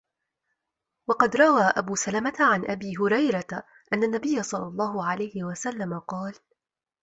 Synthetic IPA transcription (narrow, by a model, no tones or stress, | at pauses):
wɑqɑd̪ɾˤɑwaːʔabuːsalamat̪aʕanʔabiːɦʊɾɑjɾˤat̪ | ʔanːanːabɪjːasˤɑlːɑlˤːɑːhʊʕalajhɪwasalːamaqɑːl